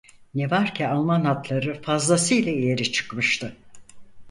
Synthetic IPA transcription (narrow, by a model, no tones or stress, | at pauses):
nevaɾcʰialˠmanɦat̪ʰlˠaɾɯfazlˠasɯilʲaijeɾit͡ʃʰɯ̥kmɯʃt̪ʰɯ